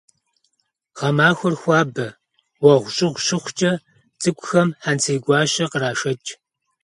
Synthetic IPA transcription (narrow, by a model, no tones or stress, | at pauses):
ʁ̥ɐmaːxʷɔrxʷɑːbɐ | wɐʁʷʊɕʼɪʁʷʊɕɪχʷt͡ʃʼɐ | t͡sʼɨkʷʼʊxɐmħant͡sʰeːɡʷɑːɕɐqəɾaːʃɐt͡ʃʼ